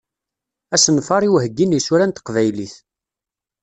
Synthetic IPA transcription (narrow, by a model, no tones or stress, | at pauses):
æsənfɑɾˤiwɦəɡːinjsuɾænt̪ə̥qvæjliθ